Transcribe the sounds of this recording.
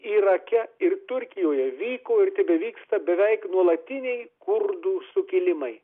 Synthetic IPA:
iːɾɐkʲɛɪɾt̪ʊɾʲkʲɪjoːjɛʋʲiːkoːɪɾt̪ʲɪbʲɛʋʲiːkst̪ɐbʲɛʋʲɛɪknuɔlˠɐt̪ʲɪnʲɛɪkʊɾd̪uːsʊkʲɪlʲɪmɐɪ

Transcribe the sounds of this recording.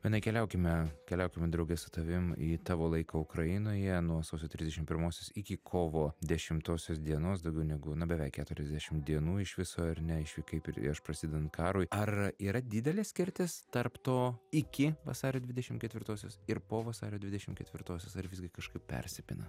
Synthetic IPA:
ʋʲiɛnɐɪkʲɛlʲɛʊkʲɪmʲɛkʲɛlʲɛʊkʲɪmʲɛd̪ɾɐʊɡʲɛsʊt̪ɐʋʲɪmiːt̪ɑːʋoːlˠɐɪkɐʊkɾɐɪnoːjɛnuɔsɐʊsʲoːt̪ɾʲɪzd̪ʲɛʃʲɪmpʲɪɾmoːsʲoːsɪkʲɪkʰoːʋoːd̪ʲɛʃʲɪmt̪oːsʲoːsd̪ʲiɛnoːsd̪ɐʊɡʲɛʊnʲɛɡʊnʊbʲɛʋʲɛˑɪkʲæːt̪ʊɾʲɛzd̪ʲæːʃʲɪmd̪ʲiɛnuːɪʃʋʲɪsoːɐrnʲɛɪʃʋʲɪkɐɪpɪɾ̰ɐʃpɾɐsʲɪd̪ʲɛnɐnkɑːɾuːɪɐriːɾɐd̪ʲɪd̪ʲɛlʲeːsʲkʲɪɾʲt̪ʲɪst̪ɐrpt̪oːɪkʲɪʋɐ̰sɑːɾʲoːd̪ʲʋʲɪdʲɛʃʲɪmkʲɛt̪ʲʋʲɪɾt̪oːsʲo̰ːsɪɾpoːʋɐsɑ̰ːɾʲoːd̪ʲʋʲɪd̪ʲɛʃʲɪmkʲɛt̪ʲʋʲɪɾt̪oːsʲoːsɐɾʋʲɪzʲɡʲɪkɐʃkɐɪppʲɛ̰rʲsʲɛpʲɪ̰nɐ̰

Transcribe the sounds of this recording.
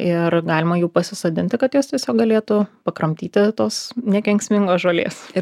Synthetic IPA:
ɪrɡɑːlʲɪmɐjuːpɐsʲɪsoːd̪ʲɪnʲt̪ʲɪkɐt̪joːst̪ʲiɛsʲoːk̚ɡɐlʲeːt̪ʊpɐkɾɐmʲt̪ʲiːt̪ʲɪt̪oːsnʲɛkʲɛŋʲksʲmʲɪŋɡoːsʒoːlʲḛːsɪ

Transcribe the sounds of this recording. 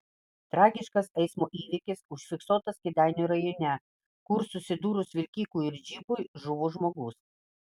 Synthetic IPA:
t̪ɾɑːɡʲɪʃkɐsɛɪsmoːʔiːʋʲɪkʲɪsʊʃʲfʲɪksoːt̪ɐskʲɪd̪ʲæˑɪnʲuɾɐjoːnʲɛ | kʊɾsʊsʲɪd̪uːɾʊsʋʲɪlʲkʲiːkuːɪɾʲd͡ʒʲiːbʊjʒʊʋoːʒmoːɡʊːs

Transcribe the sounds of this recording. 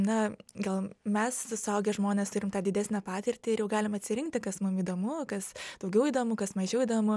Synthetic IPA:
nɐɡɐlˠmʲɛsʊsʊɐʊɡʲɛʒmoːnʲeːst̪ʊɾʲɪmt̪ɑːd̪ʲɪd̪ʲæːsʲnʲɛpɑːt̪ʲɪrʲt̪ʲɪɪjɛʊɡɑːlʲɪmɐt̪ʲsʲɪɾʲɪŋk̚t̪ʲɪkɐsmʊmiːd̪oːmʊkɐsd̪̥ɐʊɡʲɛʊid̪oːmʊkɐsmɐʒʲɛʊid̪oːmʊ

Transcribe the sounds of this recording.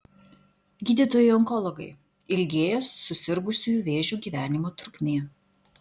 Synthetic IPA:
ɡʲiːd̪ʲiːˑt̪oːjɛɪɔŋkɔlˠɔɡɐɪ | ɪlʲɡʲeːjɛsːʊsʲɪɾɡʊsʲuːjuːˑʋʲeːʒʲuːɡʲiːʋʲæːnʲɪmoːt̪ʊɾʊkʲmʲeː

